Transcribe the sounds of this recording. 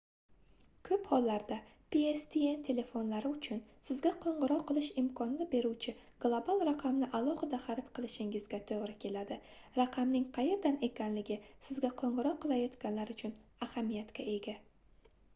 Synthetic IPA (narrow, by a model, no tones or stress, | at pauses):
kʰɵphɒlːaɾd̪apʰeest̪ʰient̪ʲʰe̞le̞fo̞nlaɾɪʊt͡ʃʰʊnsɪzɡʲaqʰoɴʁɨɾɒqʰːɨlˠɪʃɪmkʰɒnnɪbe̞ɾuwt͡ʃʰɪ | ɡ̥lˠobalˠɾaqʰamnɪʔalˠɒχɨd̪aχaɾɪt̪qʰɨlˠɪʃɪŋɪzɡʲat̪ʰoʁɾɪkʲʰe̞lad̪ɪ | ɾaqʰɑmnɪŋqʰɑje̞ɾd̪ane̞kʲanlɪɡʲɪsɪzɡʲaqʰoɴʁɨɾɒqʰːɨlˠajɒt̪kʲanlaɾʊt͡ʃʰʊnahamijat̪kʲʰae̞ɡʲa